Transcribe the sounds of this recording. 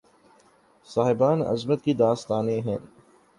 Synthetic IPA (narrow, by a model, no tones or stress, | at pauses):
saːɦɪbaːnɐ̰zmət̪̚kid̪aːst̪aːneɦɛ̃ː